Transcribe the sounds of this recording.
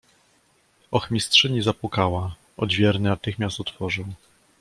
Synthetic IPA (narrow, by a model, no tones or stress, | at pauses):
ɔxmʲistʂɘɲizapwukawa | ɔ̰d̪vʲjɛɾnɘnat̪ɘxmʲast̪ɔt̪fɔʐɘw